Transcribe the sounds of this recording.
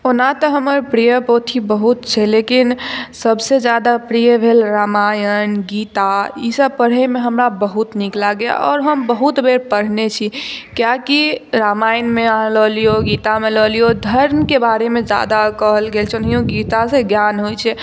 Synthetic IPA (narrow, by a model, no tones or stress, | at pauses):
onat̪əɦəməɾpɾijəpot̪ʰibəɦut̪t͡ʃʰɛlekinsəbsed͡ʒjad̪apɾijəbʱelɾamaːjənɡit̪aisəb̚pəɽɦemeɦəmɾabəɦut̪niklaɡea̰ʔɔːɾɦəmbəɦut̪bʱeɾpəɽ̤net͡ʃʰikjakiɾamaːjənmealəlijoɡiːt̪ameləlijod̪ʱəɾmkebaɾemẽd͡ʒa̰ːd̪akəɦəlɡeːlt͡ʃʰnɦijõɡit̪aseɡjanɦojt͡ʃʰɛ